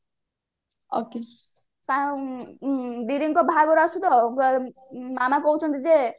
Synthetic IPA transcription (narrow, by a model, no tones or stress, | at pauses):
oke | t̪a | d̪iɾiŋkɔbʱaɡɔɾasut̪ɔ | mamakɔɦut͡ʃʰɔnt̪id͡ze